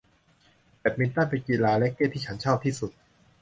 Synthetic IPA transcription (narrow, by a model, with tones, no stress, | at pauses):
te˨˩p̚mi˧nt̪aː˥˩pe˧nki˨˩laː˧lɛ˦˥kːeː˥˩t̪ʰiː˥˩t͡ɕʰa˦˥nt͡ɕʰaː˥˩p̚t̪ʰiː˥˩su˨˩t̪̚